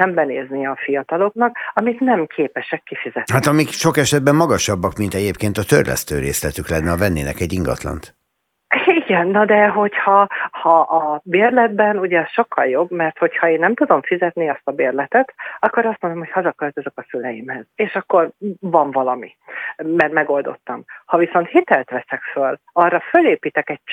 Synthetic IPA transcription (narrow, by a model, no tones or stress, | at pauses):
ɛmbɛneːzniɒfijɒt̪ɒlo̞knɒkɒmit̪nɛmkʰeːpɛʃɛkːifizɛt̪hat̪ɒmikʃo̞kɛʃɛd̪̚bɛmːɒɡɒʃɒbːɒkmint̪ɛɟeːpkeːnt̪ɒt̪ørlɛ̰st̪ø̰ːɾḛːslɛt̪yklɛnːɛɒvɛnːeːnɛkɛɟːiŋɡɒ̰t̪lɒ̰nt̪ | iɡɛnːɒd̪ɛɦo̞chɒhɒʔɒbeːrlɛd̪̚bɛnuɟɛʃo̞kːɒljo̞bmɛrt̪ho̞chɒeːnːɛmt̪ud̪o̞mfizɛt̪niɒst̪ɒbeːrlɛt̪ɛt̪ɒkːo̞ɾɒst̪monomhochɒzɒkølt̪øzøkɒsylɛjimhɛzeːʃɒkːo̞rvɒɱvɒlɒmi | mɛrt̪mɛɡo̞ld̪o̞̰t̪ːɒmhɒviso̞nt̪hit̪ɛlt̪ʋɛsɛkføl | ɒrːɒføleːpiːt̪ɛkɛc̚